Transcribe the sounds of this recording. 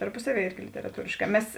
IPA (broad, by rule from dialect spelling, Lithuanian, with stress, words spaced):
tɐrˈpʊsɐˌʋʲiɛ ˈɪrʲɡʲɪ lʲɪtʲɛrɐˈtuːrʲeːʃˌkɑː ˈmʲɛs